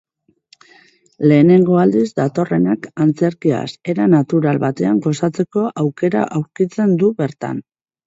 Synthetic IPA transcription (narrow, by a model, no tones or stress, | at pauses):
le̞ːne̞ŋɡo̞ald̪izd̪at̪o̞re̞nakant͡se̞ɾkia̰se̞ɾanat̪uɾalβat̪e̞aŋɡo̞sat͡se̞ko̞ʔawke̞ɾa̰ʔawɾkit͡se̞nd̪uβe̞ɾt̪a̰n